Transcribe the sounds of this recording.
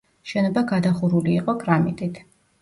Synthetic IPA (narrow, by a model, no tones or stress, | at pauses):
ʃɛnɔbaɡad̪aχuɾuliːqʼɔkʼɾamit̪ʼit̪ʰ